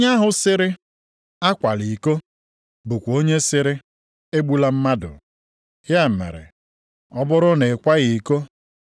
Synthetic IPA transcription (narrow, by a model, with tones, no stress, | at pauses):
ɲa˦ɦʊ˨sɪ˦ɾɪ˦ | a˦kʷa˨li˨ko˦ | bu˨kʷo˦ɲe˦sɪ˦ɾɪ˦ | e˦ɡ͡bu˦la˦m̩˦ma˦dʊ̰˨ | hja˦m̩˨mḛ˨ɾḛ˨ | ɔ˦bʊ˦ɾʊ˦ne˨kʷa˦ɣi˨ko˦